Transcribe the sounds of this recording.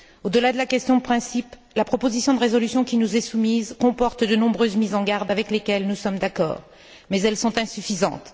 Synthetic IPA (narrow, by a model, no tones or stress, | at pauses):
od̪əlad̪əlakʲɛst̪jɔ̃pχɛ̃sip | lapχɔpozisjɔ̃d̪əʁezɔlysjɔ̃kʲinuzɛsumizkɔ̃pɔʁt̪d̪ənɔ̃bʁøzmizɑ̃ɡaʁd̪avɛklekʲɛlnusɔmd̪akɔ̰ːʁ | mɛzɛlsɔ̃t̪ɛ̃syfizɑ̰̃t̪